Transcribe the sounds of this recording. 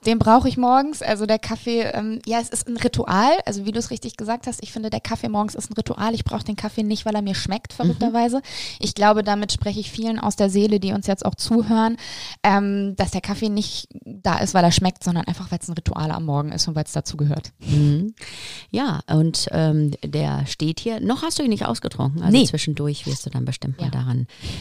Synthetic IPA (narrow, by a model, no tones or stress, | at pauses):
d̥eːnbʁaʊxəɪçmɔɐɡŋ̩sʔa̰lzodeːɐkʰafeːʔɛ̰ːmjaːɛsɪstn̩ʁitʰuʔa̰ːlʔa̰lzoviːduːsʁɪçtɪçɡ̥əzaːk̚thastɪçfɪndədeːɐkʰafemɔɐɡŋ̩sɪstn̩ʁituʔa̰ːlɪçb̥ʁa̰ʊxədeːnkʰafeːnɪçtv̥aɪleːɐmiːɐʃmɛktfɛɐʁʏk̚tɐvaɪzəʔɪçɡ̥laʊbədaːmɪtʃpʁ̥ɛçəɪçfiːlənʔa̰ʊsd̥eːɐzeːlədiːʊnsjɛt͡sta̰ʊxt͡suːɦøːʁənʔɛːmd̥asd̥eːɐkʰafeːnɪçtd̥a̰ːʔɪ̰stv̥aɪleːɐʃmɛk̚tz̥ɔndɐnʔaɪnfaχv̥aɪlsnʁitʰṵʔa̰ːla̰mːɔɐɡŋ̩ʔɪ̰stʊntv̥aɪlsd̥at͡suːɡəɦø̰ːɐtm̩h̩jaːʔʊntʔɛ̰ːmd̥ḛːɐʃteːthiːɐnɔχhastd̥uːinɪçtʔa̰ʊsɡ̥ətʁ̥ʊ̰ŋkŋ̩ʔa̰lnt͡sv̥ɪʃn̩dʊɐçv̥ɪ̰ɐstd̥uːda̰nbəʃtɪmt̚ma̰ːlda̰ʁɪn